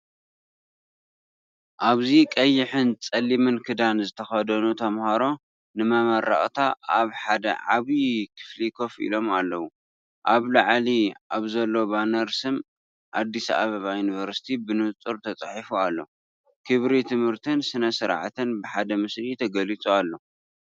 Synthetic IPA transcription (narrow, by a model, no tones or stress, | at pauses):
ʔaβzikʼɐjːɪħɨnt͡sʼɐlːimɨnkʰɨd̪anzɨt̪ʰɐxɐd̪ɐnut̪ʰɐmhɐɾo̞ | nɨmɐmɐɾa̰χʼt̪ʰaʔaβħad̪ɐ̰ʕaβikʰɨ̥flikʰo̞fḭlo̞malːɐwu | ʔaβlaʕliʔaβzɐlːo̞banɐɾsɨm | ʔad̪ːisaʔa̰βɐβajunivɐɾsi̥t̪ʰibɨnɨt͡s̪ʼɨɾt̪ʰɐt͡sʼɨħifualːo̞̰ | kʰɨβɾit̪ʰɨmhɨɾt̪ʰɨnsɨnɐsɨɾʕat̪ʰɨnbɨħad̪ɐmɨslit̪ʰɐɡɐlit͡sʼualːo̞